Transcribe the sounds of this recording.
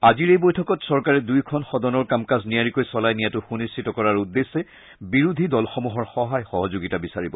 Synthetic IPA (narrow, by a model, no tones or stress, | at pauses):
aziɹejbojtʰɔkɔtsɔɹkaɹɛdujkʰɔnxɔdɔnɔɹkamkaznijaɹikojsɔlajnijatʊxunistʰitɔkɔɹaɹudːesːɛ | biɹud̪ʱidɔlxɔmuɦɔɹxɔɦajxɔɦɔzoɡitabisaɹibɔ